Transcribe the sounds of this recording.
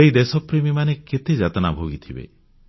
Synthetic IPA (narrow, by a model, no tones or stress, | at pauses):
eid̪esɔpɾemimaneket̪ʰed͡ʒat̪ɔnabʱoɡit̪ʰibḛ